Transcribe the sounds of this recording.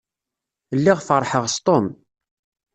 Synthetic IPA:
lːiʁfəɾˤːħəʁst̪ˤom

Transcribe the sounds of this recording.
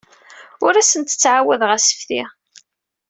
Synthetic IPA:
ʊɾæsənt̪ə̥t͡sːʕawæðʁæsə̥fθi

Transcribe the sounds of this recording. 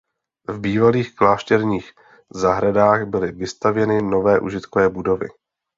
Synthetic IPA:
vbiːvaliːxklaːʃt̪ɛɾɲiːx | zaɦɾadaːɣbɪlɪvɪst̪avjɛnɪno̞vɛːʔuʒɪt̪kovɛːbudo̞vɪ̰

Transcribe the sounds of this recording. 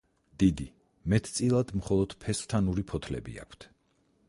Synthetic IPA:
d̪̥id̪i | mɛt̪ʰt̪sʼilˠad̪mχɔlˠɔd̪̥pʰɛst̪ʰanuɾipʰɔt̪ʰlɛ̰bḭa̰kʷʰt̪ʰ

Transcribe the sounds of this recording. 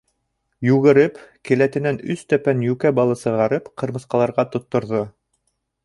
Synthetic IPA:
jʉɣɘ̆ɾɘpkɘ̆læt̪ɘ̆nænɵst̪æpænjʉkæbɑlˠɤsɤ̆ʁɑɾɤpqʰɤ̆ɾmɤ̆sqɑlˠɑɾʁɑt̪ŏt̪ːŏɾðo

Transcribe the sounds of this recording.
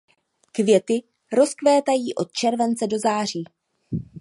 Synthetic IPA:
kvjɛt̪ɪ | ɾo̞skvɛːt̪ajiːʔo̞t̪̚t͡ʃɛɾvɛnt͡sɛdo̞zaːr̝iː

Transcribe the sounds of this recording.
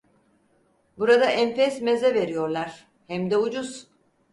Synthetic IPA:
buɾad̪aʔɛnfɛsmezɛve̞ɾijo̞ɾlˠaɾ̥ | hɛmd̪ɛud͡ʒuz̥

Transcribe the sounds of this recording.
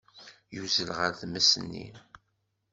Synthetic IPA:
juzəlʁəɾθmæsənːḭ

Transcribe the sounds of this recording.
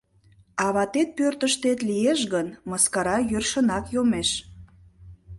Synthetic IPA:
ɑβɑt̪et̪̚pørt̪əʃt̪et̪lijeʃɣənmɑskɑɾɑjørʃənɑkjomeʃ

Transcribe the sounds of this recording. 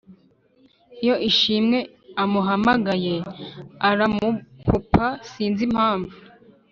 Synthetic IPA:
ijo̞ʔiʃimŋe̞ | amuɦamaɡaje̞aɾamukupʰasiːnzim̥haːɱvu

